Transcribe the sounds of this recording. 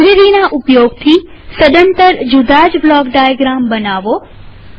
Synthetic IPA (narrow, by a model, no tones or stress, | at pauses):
ɾɪɾinaʔʊpjoɡt̪ʰi | səd̪ənt̪əɾd͡ʒud̪ad͡ʑblɔːkɖajəɡɾambənaːʋo